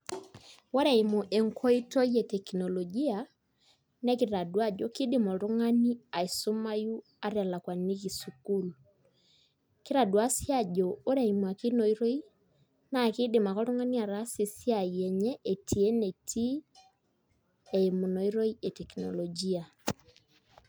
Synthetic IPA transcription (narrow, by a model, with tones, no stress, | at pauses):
wɔ˦ɾa˨i˨mu˨ʔe˨ŋkʰɔ˦i˦to˦i˦e˨tɛ˨kinɔ˨lɔ˨ɡi˦a˨ | nɛ˦ki˨ɾa˨dwa˦d͡ʒɔ˨ki˦dɪ˨mɔ˨ɾu˦ŋa˦ni˦a˨i˨su˦ma˦ju˦ | a˦ɾɛ˨la˨kwa˨ni˦ki˨su˨ku˦l | ki˦ɾa˨dwa˦sja˦d͡ʒɔ˨o˦ɾa˨i˨mu˨a˨ki˦no˨i˦ɾo˦i˦ | na˨ki˦dɪ˨ma˨kɔ˦ɾu˦ŋa˦ni˦a˨ɾa˦si˨sja˨jɛ˨ɲɛ˦ʔe˨tʰi˨e˦ne˨tʰi˦ | e˨imu˨nɔ˨i˦ɾo˦i˦e˨tɛ˨kinɔ̰˨lɔ˨d͡ʒi˦a˨